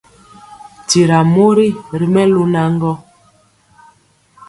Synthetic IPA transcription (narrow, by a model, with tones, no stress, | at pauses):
ti˨ɾa˨mo˦ɾi˦ɾi˨mɛ˦lu˦na˦ŋ˦ɡɔ˦